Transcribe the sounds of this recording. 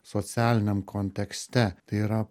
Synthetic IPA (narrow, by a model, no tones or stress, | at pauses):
sot̪sʲæːlʲɪnʲɛmkʰɔnʲt̪ʲɛksʲt̪ʲɛt̪ɐɪiɾɐ